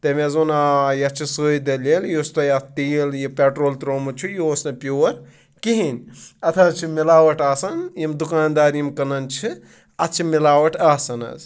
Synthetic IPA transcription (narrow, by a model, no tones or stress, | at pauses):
t̪ɐmɐzoːnajɐt͡ʃʰisoːjid̪ɐlʲeljoːst̪ɐjɐtt̪eːljipʲeʈɾoːlt̪ɾoːmɨt͡ʃʰujoːsnɐpʲjoːɐɾ | kiɦinʲɐt̪ʰɐt͡ʃʰimilaːʋɐʈaːsɐnjimd̪ukaːnd̪aːɾjimkɐnɐnt͡ʃʰi | ɐtt͡ʃʰimilaːwɐʈʰaːsɐnɐ̰z